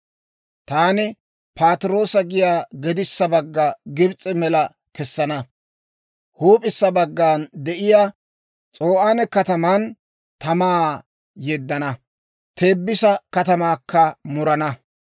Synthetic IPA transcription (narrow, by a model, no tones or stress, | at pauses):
t̪aːnɪ | paːt̪ɾo̞ːsɐɡɪjaːɡɛd̪ɪsːɐbɐɡːɐɡɪbt͡sʼːɪmɛlɐ | kɛsːɐnɐ | huːpʼɪsːɐbɐɡːaːnd̪ɛʔɪjaː | t͡sʼoːʔaːnɛkɐt̪ɐmɐn | t̪ɐmaː | jɛd̪ːɐnɐ | t̪ʰe̞ːbːɪsɐkɐt̪ɐmaːkʰːɐmʊɾɐnɐ